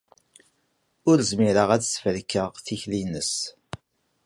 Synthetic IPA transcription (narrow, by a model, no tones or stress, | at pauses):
ʊɾzmiɾəʁæt͡ssfəlkːəʁθiçlinəs